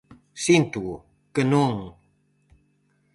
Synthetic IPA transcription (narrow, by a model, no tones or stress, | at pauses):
sint̪u | kənuŋ